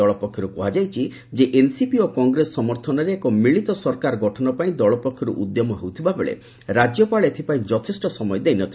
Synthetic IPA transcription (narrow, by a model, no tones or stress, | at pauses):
ɔɭɔpɔkʰjɔɾukuɦad͡ʒajt͡ʃʰi | d͡ʒeʔensipiokɔŋɡɾesɔɔmɔɾt̪ʰɔnɔɾeːkɔmɾiɭit̪ɔsɔɾkaɾɔɡɔʈʰɔnɔpaĩd̪ɔɭɔpɔkʰjɔɾṵʔud̪jɔmɔɦewt̪ʰibabeɭḛ | ɾad͡ʒjɔpaɭet̪ʰipaĩd͡ʒɔt̪ʰisʈɔsɔmɔjɔd̪ejnɔt̪ʰi